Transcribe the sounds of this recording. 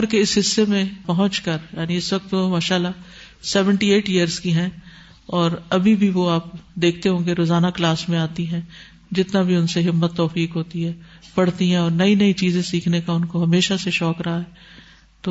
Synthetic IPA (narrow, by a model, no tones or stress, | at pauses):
ɾkeɪsɦɪsːemẽpɐɦʊ̃nt͡ʃkɐɾjaːniɪsʋɐk̚t̪omaːʃaːlːa | sɛːʋə̃ɳʈieːʈjijəɾzkiɦɛ̃ | ɔːɾɐbʱibʱiʋoaːpd̪eːk̚ʰt̪eɦõːɡeɾoːzaːnaklaːsmẽaːt̪iɦɛ̃ | d͡ʒɪt̪nabʱiʊnseɦɪmːət̪ːɔːfiːkɦoːt̪iɦɛː | pɐɽt̪iɦɛ̃ɔːɾnɐinɐit͡ʃiːzẽsiːkʰnekaʊnkoɦɐmeːʃaseʃɔːkɾɐɦaɦɛː | t̪oː